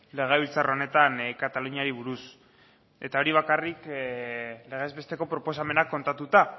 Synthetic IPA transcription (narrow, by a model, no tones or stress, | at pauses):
le̞ɣ̞e̞β̞ilt͡sarone̞t̪ankat̪aluɲaɾiβ̞uɾus | e̞t̪ao̞ɾiβ̞akarik | le̞ɣe̞ːzβe̞st̪e̞ko̞pɾopo̞same̞nakːo̞nt̪at̪ut̪a